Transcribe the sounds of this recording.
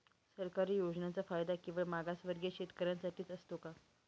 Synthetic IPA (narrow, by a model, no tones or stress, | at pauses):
səɾkaɾiːjod͡ʑnat͡safajd̪akĩw̃ʋəɭmaɡasʋəɾɡjeɕet̪kəɾansaʈiːt͡səst̪oka